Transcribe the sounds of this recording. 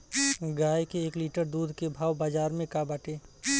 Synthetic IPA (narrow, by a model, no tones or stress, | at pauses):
ɡaːjkeːkliːʈəɾd̪uːd̪ʱkebʱaːwbaːd͡ʒaːɾmẽkabaːʈeː